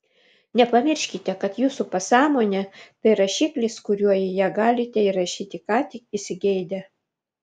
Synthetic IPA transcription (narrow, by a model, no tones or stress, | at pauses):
nʲɛpɐmʲɪɾʲʃʲkʲɪt̪ʲɛkɐt̪juːsupɐsɑːmoːnʲɛt̪ɐɪɾɐʃʲiːklʲɪskʊɾʲuɔjɪjæːɡɑːlʲɪt̪ʲɛɪɾɐʃʲiːt̪ʲɪkɑːt̪ʲɪkɪsʲɪɡʲɛɪd̪ʲɛ